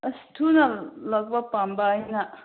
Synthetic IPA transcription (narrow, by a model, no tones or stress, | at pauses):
ɐsi̥tʰunɐlɐk̚bɐpambɐːjna